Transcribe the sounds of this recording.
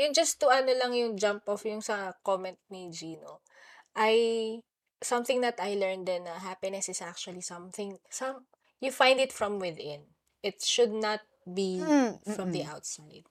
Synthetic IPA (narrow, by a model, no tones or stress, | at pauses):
jʊnd͡ʒɐst̪ʊʔɐnolɐŋjʊŋd͡ʒãmpʔɔfjʊŋsɐkomɛnt̪̚nid͡ʒino | ʔɐj | sɐ̃mθɪ̃ŋnɐt̪ɐjlɛɹnd̪ɛnːɐɦapɪnɛsɪsʔak̚t͡ʃʊwɐlisɐ̃mθɪ̃ŋsɐm | jufãj̃nd̪ɪt̪fɹɐ̃mwɪðɪ̃n | ʔɪt̪̚ʃʊd̪̚nɐt̪̚bifɹɔmd̪iʔawt̪saɪjd̪̥̚